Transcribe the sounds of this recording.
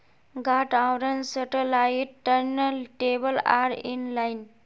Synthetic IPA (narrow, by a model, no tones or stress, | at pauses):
ɡaʈãwɾənsəʈəlaiʈəɾnəlʈebəla̰ɾḭnlain